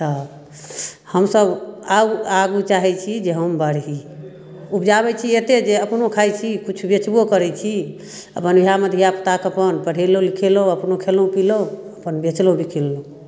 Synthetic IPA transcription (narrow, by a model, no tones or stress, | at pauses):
t̪ə | həmsəbaaɡut͡ʃaɦɛt͡ʃʰid͡ʒeɦəmbəɽ̤ɦi | upd͡ʒabɛt͡ʃʰiet̪ed͡ʒeəpnokʰajt͡ʃʰikut͡ʃʰubet͡ʃbokəɾɛt͡ʃʰi | əpənbiɦaməd̪ʱijapət̪akəpənpəɽ̤ʱelolikʰeloəpnokʰelũpiloəpənbet͡ʃlõbikʰilːo